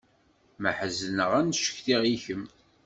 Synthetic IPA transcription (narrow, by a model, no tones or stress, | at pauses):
məħəznəʁænʃə̥çθiʁiçəm